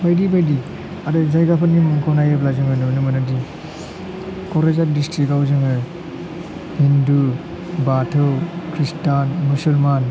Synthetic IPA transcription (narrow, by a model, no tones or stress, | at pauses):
bajdibajdi | adɯzajɡapʰannimumkʰownajɯp̬lazɯŋɯnɯmnɯmɐnadi | kɔɾezat̚distɾikawzɯŋɯ | hindu | batʰɯwkʰɾistanmusulman